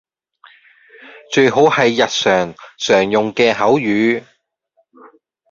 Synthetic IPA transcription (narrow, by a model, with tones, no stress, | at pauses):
t͡ʃɵ˧ɥɦo˨˥whɐ˨˧jːɐ˨t̚sœː˨˩ŋsœː˨˩ŋjʊ˨ŋkɛː˧ɦɐ˨˥wjyː˨˥